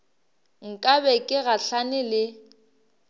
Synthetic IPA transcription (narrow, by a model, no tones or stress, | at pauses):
ŋ̩kʼabɛkʼɪɣaɬanɪlɪ